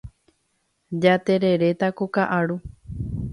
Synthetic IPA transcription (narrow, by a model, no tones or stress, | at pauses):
d͡ʒat̪e̞ɾe̞ɾe̞t̪akokaʔaɾu